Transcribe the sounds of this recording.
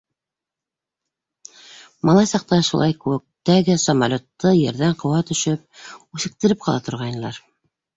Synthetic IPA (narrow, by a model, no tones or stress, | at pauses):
mɑlˠɑjsɑq̚t̪ɑʃulˠɑjkɘwɘ̆k̚t̪æɡɘsɐmalʲot̪ːɤjɘ̆ɾðæɴqɤ̆wɑt̪ɵ̆ʃɘp̚ʉθɘ̆k̚t̪ɘ̆ɾɘp̚qʰɑlˠɑt̪ʰŏɾʁɑjnɤ̆lˠɑ̰ɾ